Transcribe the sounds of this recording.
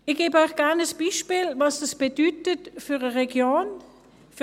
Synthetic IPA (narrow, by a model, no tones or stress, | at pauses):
ɪɡ̥eːbəœɥxɡ̥ɛʁnəsb̥iːʃpiːlvɑsd̥ɑsb̥edyːtətfʏʁəʁɛɡjoːn | f